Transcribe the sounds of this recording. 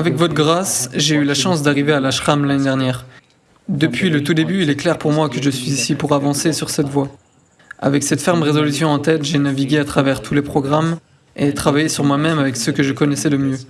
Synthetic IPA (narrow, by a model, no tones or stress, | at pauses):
avɛkvɔt̪χɡʁasʒeylaʃɑ̃sd̪aʁivealaʃχamlaned̪ɛʁnjɛːʁ | d̪əpɥilət̪ud̪ebyilɛklɛʁpuʁmwakəʒəsɥizisipuʁavɑ̃sesyʁsɛt̪vwa | a̰vɛksɛt̪fɛʁməʁezɔlysjɔ̃ɑ̃t̪ɛt̪ʒenaviɡʲeat̪χavɛʁt̪ʰulepχɔɡʁam | et̪χavajesyʁmwamɛmavɛksəkəʒəkɔnɛsɛd̪əmjø